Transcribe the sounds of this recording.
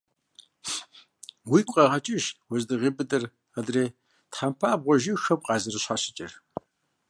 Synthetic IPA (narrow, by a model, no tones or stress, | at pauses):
wiːkʷʼɐʁɐt͡ʃʼɪʒwɐzdɨʁibɨdɐr | adreː | tħampʰaːbʁʷɔʒixɐbqʼɑːzɨrɨɕħaɕɪ̥t͡ʃʼɪr